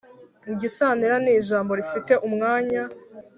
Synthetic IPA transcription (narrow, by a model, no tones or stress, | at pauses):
iɟisaːniɾaniːʒaːmbo̞ɾifite̞ʔumŋaːɲa